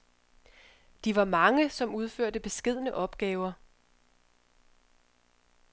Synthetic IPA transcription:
d̥iʋɑ̈mɑ̈ŋəsɒ̽muð̞ˠføɐ̰d̥əb̥e̝sɡ̥e̝ð̞̰ˠnəʔɒ̽b̥ɡ̥ɛːʊɐ

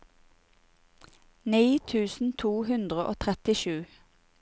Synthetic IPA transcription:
niːt̪ʰʉːsn̩t̪ʰuːhʉnd̪ʁəʔo̰ːt̪ʰʁɛt̪ɪʃʉː

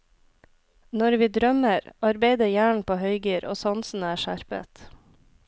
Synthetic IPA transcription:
nɔɾʋiːd̪ɾœməɾɑɾbeɪd̪əjæːɳ̩pʰoːhœʏɡyːɾo̰ːsɑnsn̩æːʃæɾpə̰t̪

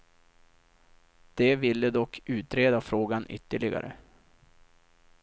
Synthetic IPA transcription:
d̪̥ɛvɪlːəd̪ɔkʰːʉ̟ːt̪ɾeːd̪afɾoːɡanʔʏ̰t̪ːəɭɪɡa̰ɾə̰

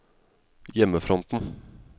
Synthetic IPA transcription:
jɛməfɾɔnt̪n̩

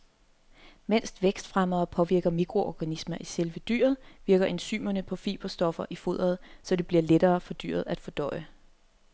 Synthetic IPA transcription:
men̰sd̥ʋeɡ̥sd̥fʁamɐːpʰɒ̽ʋiɐɡ̥ɐmiɡ̥ʰʁo̝ʔɒɡ̥ænismɐʔiselʋəd̥y̰ɐð̞̩ˠʋiɐɡ̥ɐʔe̝nsy̰ːmɐnəpʰɒ̽fḭːb̥ɐsd̥ɒ̽fɐʔifo̝ð̞̰ˠɐð̞̩ˠsɒ̽d̥e̝b̥liɐled̥ɐːfɒ̽d̥y̰ːɐð̞ˠæd̥fɒ̽d̥ɒ̽ɪə

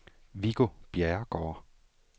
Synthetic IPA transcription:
ʋiɡ̥o̝b̥jeɐɡ̥ɒː

